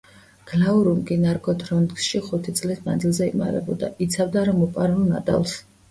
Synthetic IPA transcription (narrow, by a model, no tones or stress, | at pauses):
ɡ̥lauɾumɡinaɾɡʼɔd̪ɾɔnksʃiχut̪ʰit̪sʼlisma̰nd̪zilˠzɛḭma̰ɾɛ̰bɔd̪a̰it̪sʰavd̪aɾamɔpʼaɾulˠna̰t̪ʼa̰lˠs